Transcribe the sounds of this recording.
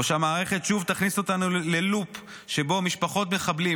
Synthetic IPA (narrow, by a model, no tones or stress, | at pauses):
oʃamaːʁe̞χe̞t̪ʃuvt̪aχniso̞t̪anule̞lup | ʃe̞bo̞miʃpaχo̞t̪me̞χabli